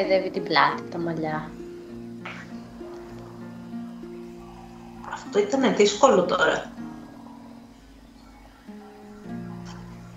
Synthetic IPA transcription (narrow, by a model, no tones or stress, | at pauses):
iðevit̪iblɐ̰t̪it̪ɐmɐʎɐ | ɐft̪o̞it̪ɐne̞ðisko̞lot̪o̞ɾɐ̰